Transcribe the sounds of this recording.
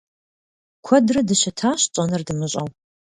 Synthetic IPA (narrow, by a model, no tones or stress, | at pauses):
kʷʰɔdrɐdɨɕɐtʰaːɕt͡ʃʼɐnɐrdɨmɨɕʼɐ̰w